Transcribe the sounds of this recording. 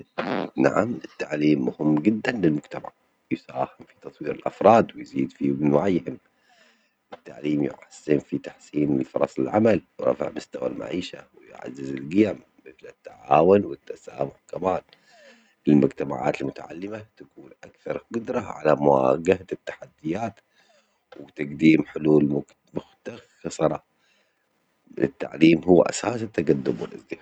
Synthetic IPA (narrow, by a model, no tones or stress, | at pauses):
naʕamɪt̪ːaʕliːmːʊhɪmːɡɪd̪ːanlɪlmʊɡt̪amaʕ | jɪsaːhɪmfi̥t̪ɑt̪ˤwiːɾɪlʔɑfɾˤɑːd̪wɪjziːd̪fimɪnwaʕjhɪm | ʔɪt̪ːaʕliːmjɪ̰ʕasːɪnfit̪ḁħsiːnlfʊ̰ɾˤɑ̰sˤɪ̰lʕamalwɾˤɑ̰fɪ̰ʕmʊst̪awa̰lma̰ʕiːʃawɪj̰ʕa̰zːɪzɪlɡɪjamːɪθlɪt̪ːaʕaːwʊnwɪt̪ːasa̰ːmʊħkamaːn | ʔɪlmʊɡt̪ama̰ʕa̰ːt̪ɪlmʊt̪a̰ʕa̰lːɪmat̪akuːnʔakθɑɾˤqʊd̪ɾˤɑʕa̰lamʊwa̰ɡahat̪ːḁħad̪ːɪjaːt̪ | wɪt̪aɡd̪iːmħʊluːlmʊ | mʊxt̪aɣxɑsˤɑɾˤɑ | ʔɪ̰t̪ːa̰ʕliːmɦuwːaʔa̰saːsat̪ːaɡad̪ːʊbwɪlʔa̰zd̪ɪħaː